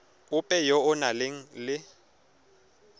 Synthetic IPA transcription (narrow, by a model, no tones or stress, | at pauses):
ʊpʼɛjɔʊnalɪŋ̩lɪ